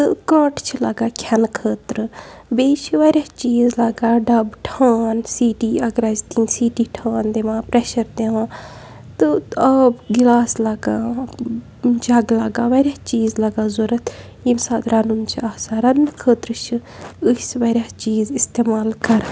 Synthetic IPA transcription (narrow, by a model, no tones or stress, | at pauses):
t̪ɨkaʈt͡ʃʰilɐɡaːkʲʰɐnkʰəːt̪ɾɨbeːt͡ʃʰiʋɐɾʲjaːt͡ʃiːzlɐɡaːɖɐbʈʰaːnsiːʈiːɐɡɾaːt͡ʃt̪iːnsiːʈiːʈʰaːnd̪eʋãːpɾeʃɐɾd̪eʋãː | t̪ɨɐbɡilaːslɐɡaː | d͡ʒɐɡlaɡaːʋɐɾʲjaːt͡ʃiːzlɐɡaːzuɾɐt̪ʰ | imsaːt̪ɾɐnunt͡ʃʰiaːsaːɾɐnɨkʰəːt̪ɾɨt͡ʃʰi | ɨsʋɐɾʲjaːt͡ʃiːzist̪eːmaːlkɐɾ